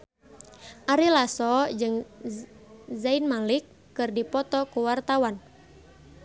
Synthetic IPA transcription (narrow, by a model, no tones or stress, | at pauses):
ʔaɾilasɔd͡ʒɨŋ | zainmalikːɨrdipɔt̪ɔkuwart̪awan